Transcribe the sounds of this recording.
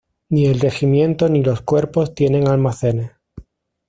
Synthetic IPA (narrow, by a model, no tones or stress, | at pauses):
nie̞lre̞ximjẽ̞nt̪o̞nilo̞skwe̞ɾpo̞st̪je̞nẽ̞ŋalmaθe̞ne̞s